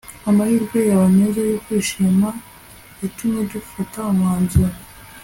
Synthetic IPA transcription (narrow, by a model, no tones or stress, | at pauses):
amahiːɾɡwejaβamezajokwiːʃima | itumedufataumwaːnzuɾa